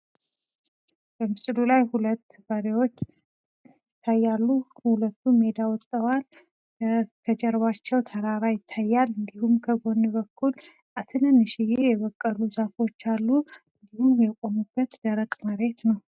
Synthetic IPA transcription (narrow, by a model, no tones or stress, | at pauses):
b̥əmɨslulajhulət̪ːbəɾewo̞t͡ʃː | ɪt̪ʰːajːalːuhulət̪ʰːume̞d̪awɔt̪ʼːəwal | kʰəd͡ʒɛɾβat͡ʃːɛwt̪ʰəɾaɾajɪt̪ʰːajːalɨnd̪ihumkʰəɡo̞nːɨβəkʰːul | ʔat̪ʰɨnənːɨʃɪjejɛβəkʼːəluzafo̞t͡ʃːalːuɨnd̪ihumjɛkʼomubːət̪d̪əɾəkʼməɾe̞t̪nəw